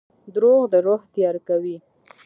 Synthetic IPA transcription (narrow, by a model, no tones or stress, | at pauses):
d̪ɾoɣd̪əɾoht̪jɑɾkawi